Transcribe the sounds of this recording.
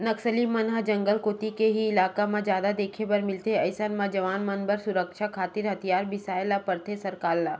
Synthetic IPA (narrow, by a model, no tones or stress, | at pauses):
nɐksəlimɐnɦəd͡ʒɐ̃ŋɡəlkoːt̪ikeɦiɪlaːkamãd͡ʒjaːd̪ad̪eːkʰebɐɾmɪlt̪eɐɪsanmãd͡ʒɐʋaːnmɐnbəɾsʊɾəkʃakʰaːt̪ɪɾɦɐt̪ʰijaːɾbɪsaːjlapɐɾt̪ʰesɐɾkaːlːa